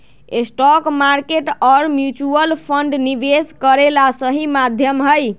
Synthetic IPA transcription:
esʈɔkmaɾkeʈɔɾmjut͡ʃuəlpʰəɳɖnibeskəɾelasəɦimad̪ʱjəmɦəj

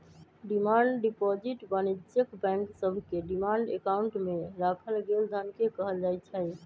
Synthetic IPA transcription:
ɖimaɳɖɖipɔd͡ʒiʈbənid͡ʒjəkbɛ̃ŋksəbʱkeɖimaɳɖḛkauɳʈmeɾakʰəlɡeld̪ʱənkekəɦəld͡ʒajt͡ʃʰɛj

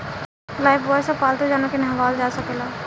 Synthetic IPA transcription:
laːjbʋɔsapaːlt̪od͡ʒaːnokenɐɦʋaːld͡ʒaːsɐkelaː

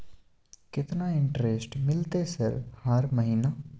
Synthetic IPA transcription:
kɪt̪naɪ̃ɳʈɾesʈmɪlt̪esɪɾfhaːɾməɦiːna

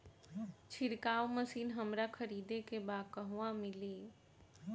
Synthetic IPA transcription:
t͡ʃʰɪɾkaːwməsiːnɦəmɾakʰəɾiːd̪ekebaːkəɦuʋãmɪliː

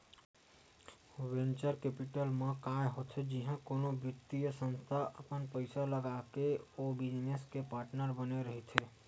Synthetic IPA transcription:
wẽnt͡ʃəɾkeːpɪʈəlmẽkaːjɦot̪ʰed͡ʒiɦãkoːnobjʊt̪ːijəsə̃nst̪ʰaʔəpənpəɪsaləɡaːkeoːbiemeskepaːɾʈnəɾbəneɾəɦit̪ʰe

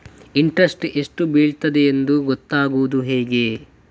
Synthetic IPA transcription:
iɳʈɾɐsʈeʂʈubiːɭt̪ɐd̪eend̪uɡɔt̪ːaːɡuʋud̪uɦɛːɡe̞

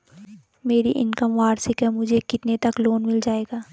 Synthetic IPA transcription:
meːɾiʔɪ̰nkəmʋaːɾsɪkɦɛmʊd͡ʒʱekɪt̪net̪ɐkloːnmɪld͡ʒaːeːɡaː

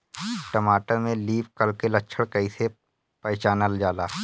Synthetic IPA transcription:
ʈəmaːʈamẽliːpkəlkeləʃʰəɽkɐĩse | pɛːt͡ʃaːnəld͡ʒaːlaː

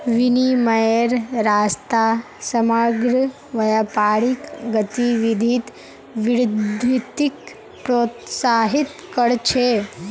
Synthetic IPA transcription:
ʋinimɐjeɾɾast̪a | səmaɡɾə | ʋɐjapaɽikɡət̪iʋid̪ʱiːt̪ | ʋiɾd̪it̪ːik | pɾot̪saɦit̪kəɽt͡ʃʰe

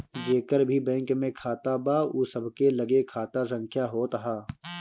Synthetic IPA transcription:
d͡ʒeːkəɾbʱibɛ̃ːŋkmẽkʰaːt̪abaːusəbʱkelɐɡekʰaːt̪asɐ̃ŋkʰjaɦoːt̪əɦaː

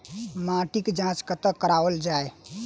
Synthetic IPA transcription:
maʈikd͡ʒãt͡ʃkət̪əkːəɾawəld͡ʒae

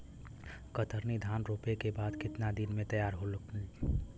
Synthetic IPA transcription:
kət̪ʰəɾnid̪ʱaːnɾoːpekebaːd̪kɪt̪nad̪ɪnmẽt̪ɐjaːɾɦolk

